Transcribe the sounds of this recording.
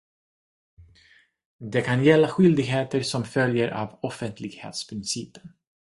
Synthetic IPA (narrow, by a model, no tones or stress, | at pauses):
d̪ɛkʰanjɛlːaɧʏld̪ɪɡɦeːt̪əɾsɔmfœljəɾʔa̰vɔfənt̪ʰlɪɡhḛːt̪spʰɾɪnsiːpə̥n